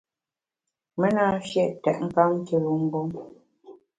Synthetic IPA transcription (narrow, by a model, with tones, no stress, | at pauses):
me˦na˦˨ʃjɛ˦˨ʔtɛ̰˨ʔŋ̩˦ka˦m˦te˨lu˨ŋ̩˦ɡo˦ŋ